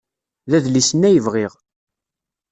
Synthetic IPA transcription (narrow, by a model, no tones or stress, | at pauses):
ðæðlisənːæjəvʁiʁ